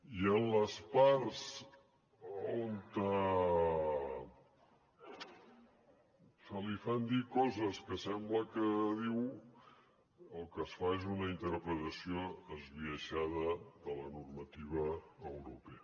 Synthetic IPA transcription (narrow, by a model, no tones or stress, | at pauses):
iənləspaɾs | ont̪ə | səlifɛnd̪ikɔzəskəsɛmbləkəðiw | əlˠkəsfaezunəint̪əɾpɾət̪əsioəzβiəʃaðəðələnurmət̪iβəːwɾupeə